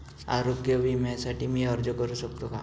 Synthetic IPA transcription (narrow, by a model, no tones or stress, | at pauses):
a̰ɾoɡjəbʱimɛ̃saʈimiɔɾd͡ʒokəɾusək̚t̪oka̰